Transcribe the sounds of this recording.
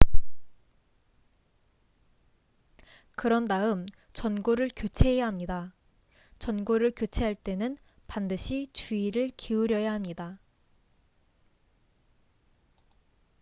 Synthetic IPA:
kɯɾʌndaɯm | t͡ɕʌnɡoɾɯɭkjot͡ɕʰe̞ejaɦamɲida | t͡ɕʌnɡoɾɯɭkjot͡ɕʰe̞ɦaɭt͈e̞nɯn | pandɯɕʰit͡ɕuiɾɯɭkʰiuɾjʌjaɦamɲida

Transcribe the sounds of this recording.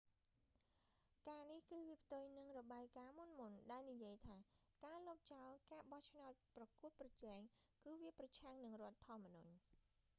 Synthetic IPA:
kaːnihkɨːʋiəpʰt̪ʊjnɨŋrɔɓaːjkaːmunmunɗaɛlnijiəjt̪ʰaː | kaːlɔːp̚t͡ɕaɔlkaːɓɑht͡ɕʰnaɔt̪̚prɑkuət̪̚prɑt͡ɕɛɛŋ | kɨːʋiəprɑt͡ɕʰaŋnɨŋrŏət̪ʰːŏəmːənuɲ

